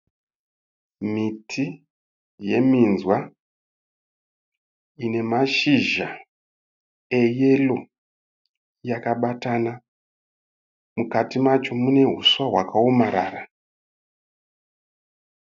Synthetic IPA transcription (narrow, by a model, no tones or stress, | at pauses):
mitʰi | je̞minzwa | ine̞maʃiʒa | eje̞lo̞ | jakaɓatana | mukatimat͡ʃo̞mune̞ɦuswaɦwa̰kaomaɾaːra